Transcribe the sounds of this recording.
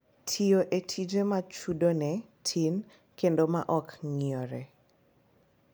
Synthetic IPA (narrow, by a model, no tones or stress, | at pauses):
tʰioʔetʰid͡ʒemat͡ʃudonɛ | tʰin | kendoma̰ʔɔkŋiɔɾɛ